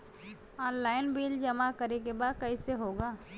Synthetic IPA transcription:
ɔːnlaːɪnbiːld͡ʒɐmakəɾek̬ebaːd̪̚kɐiseɦoːɡaː

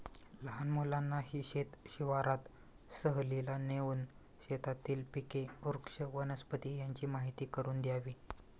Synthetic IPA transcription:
ləɦanmolanːaɦiːɕet̪ɕiʋaɾat̪ | səɦlilaneʋuːn | ɕet̪at̪iːlpikeuɾkʂəʋənəspət̪iːjaɲt͡ɕiːmaɦit̪iːkəɾuːnd̪jaʋiː

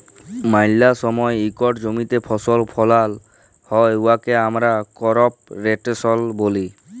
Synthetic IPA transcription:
majlasɔmɔeikɔʈd͡ʑomit̪epʰɔsɔlpʰɔlal | hɔeuakeamɾakɔɾɔp̚ɾeʈesɔlboli

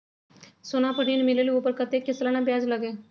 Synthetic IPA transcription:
sonapəɽ̤inmilelupəɾkət̪ekːeslanabjad͡zləɡe

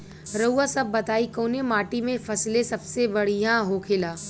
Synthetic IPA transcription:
ɾɐuasɐbːɐt̪aːikõːnemaːʈimẽfʰɐslẽsɐbsebɐɽijãɦoːkʰɪlaː

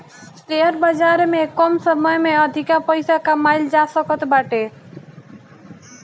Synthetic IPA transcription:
t̪eəɾbad͡ʒaɾmekɔmsəməjmeəd̪ʱikapəjsakamajld͡ʒasəkət̪baʈe

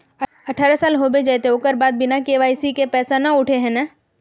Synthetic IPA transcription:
ɐʈʰaɾasaːlɦoːbed͡ʒajt̪eoːkəɾbaːd̪̚bɪnakeːʋaːisikepɛːsanɐʊʈʰeɦɛ̃na

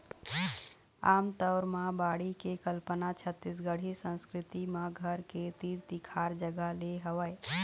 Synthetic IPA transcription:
aːmt̪ɔʊɾmãbaːɽikekəlpənat͡ʃʰət̪ːɪs̬ɡəɽ̤isə̃nskɾɪt̪imãɡʱəɾket̪iːɾt̪ikʰaːɾd͡ʒəɡaleɦəʋəe

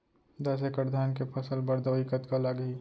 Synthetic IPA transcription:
d̪ɐs̬ekəɾd̪ʱaːnkepʰəsəlbəɾd̪ɐikət̪kalaɡiː

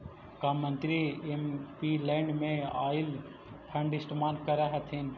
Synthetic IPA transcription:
kamːə̃nt̪ɾiempilɛ̃ːɳɖmẽaːɪl | pʰɐɳɖɪsʈmaːnkɐɾaɦɐt̪ʰin

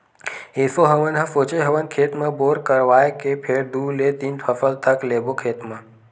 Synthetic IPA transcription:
esoɦəʋənɦəfot͡ʃeɦəʋənkʰeːt̪mãboːɾkəɾʋaːjkepʰeːɽd̪ulet̪infʰəfəlt̪ʰəklebokʰeːt̪mã

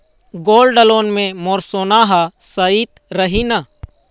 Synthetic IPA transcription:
ɡoːlɖɖəloːnmẽmoːɾsoːnaɦasəit̪ɾəɦina

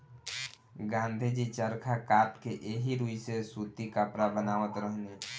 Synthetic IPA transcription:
ɡãːnd̪ʱid͡ʒit͡ʃəɾkʰakaːpkeʔeːɦiɾuːisesuːt̪ikapɾabənaːʋət̪ɾəɦne

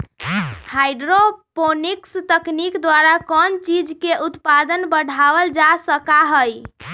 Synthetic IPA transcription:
hajɖɾoponikst̪əknikd̪waɾakɔnt͡ʃid͡ʒkeʔut̪pad̪ənbəɽ̤ʱabəld͡ʒasəkaɦəj

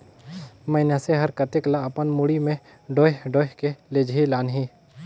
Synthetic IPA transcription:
məɪnjaseɦəɾkət̪eklaəpənmuɽimẽ | ɖoːɦɖoːɦkeled͡ʒʱilaːnɦĩː

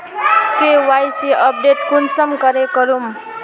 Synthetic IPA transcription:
kewajsiʌp̚ɖeʈ̚kʰunsʌmkʌɾekʌɾum

